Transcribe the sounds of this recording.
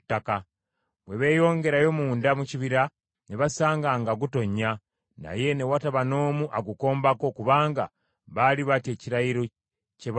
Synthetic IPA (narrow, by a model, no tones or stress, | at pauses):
tːaka | βwe̞βe̞ːjo̞ːŋɡe̞ɾajo̞muːndamuciβiɾa | ne̞βasaːŋɡaŋɡaɡuto̞ɲːa | na̰je̞ne̞wataβano̞ːmuʔaɡuko̞ːmbako̞kuβaːŋɡa̰ | βaliβate̞ːciɾaiɾo̞ | ceβ